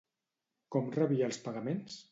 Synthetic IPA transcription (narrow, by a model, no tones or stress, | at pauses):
kɔmrəβiəlˠspaɣəmens